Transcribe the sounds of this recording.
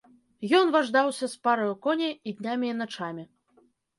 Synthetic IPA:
jɔnvaʐd̪awsʲɐspaɾɐjukɔnʲɛid̪ʲnʲamʲiːnat͡ʂamʲi

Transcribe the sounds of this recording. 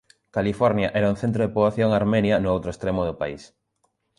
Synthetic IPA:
kalifɔɾnjaʔɛɾaunθent̪ɾoðepoβlaθjoŋaɾmenjɐnʊowt̪ɾoest̪ɾemʊðʊpais

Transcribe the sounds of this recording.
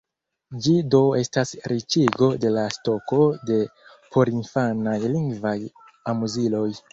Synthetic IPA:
d͡ʒido̞e̞stasɾʔit͡ʃiɡo̞de̞lasto̞ko̞de̞ | pʰo̞ɾinfanajliŋɡvaj | amuzilo̞j

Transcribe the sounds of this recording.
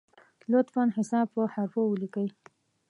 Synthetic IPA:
lʊt̪fɑnhɪsɑb̚pəhaɾfowəlikəj

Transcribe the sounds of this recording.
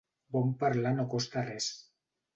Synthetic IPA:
bompaɾlanokost̪ares

